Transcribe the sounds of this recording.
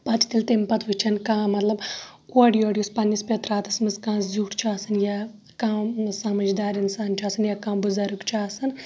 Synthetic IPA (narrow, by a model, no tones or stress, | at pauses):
pɐt͡ʃ̪ʰi̥t̪ilt̪empɐt̪ɦut͡ʃʰɐnkãːmɐt̪lɐb | oɽijoːɖijuspɐnːispet̪ɾaːt̪ɐsmɨzkãːzuːʈt͡ʃʰaːsɐnja | kãːsɐmɐd͡ʒd̪aːɾinsaːnt͡ʃʲʰaːsɐnjakãːbuzɐɾukt͡ʃʰaːsɐn